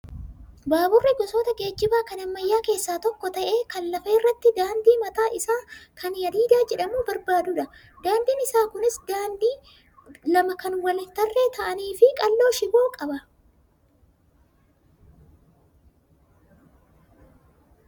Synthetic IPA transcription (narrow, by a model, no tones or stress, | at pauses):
baːbʊrːɛɡɔso̞ːt̪ɐɡe̞ːd͡ʒːɪbaːkɐnɐmːɐjːaːke̞ːsːaːt̪ɔkːɔt̪ɐʔe̞ːkɐnlɐfeːɪrːɐt̪ːɪd̪aːnd̪iːmɐt̪aːʔɪsaːkʰɐnjɐd̪iːd̪aːd͡ʒɛᶑɐmuːbɐɾbaːd̪ʊᶑɐ | d̪aːnd̪iːnɪsaːkʊnɪsd̪aːnd̪iː | lɐmɐkɐnwɐlɪnt̪ɐrːe̞ːt̪ʰɐʔɐniːfɪkʼɐlːo̞ːʃɪbo̞ːkʼɐbɐ